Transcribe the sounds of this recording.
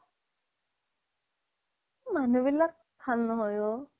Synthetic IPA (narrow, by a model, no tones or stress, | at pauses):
manubilːak̚ | kʰalnɔɦɔjo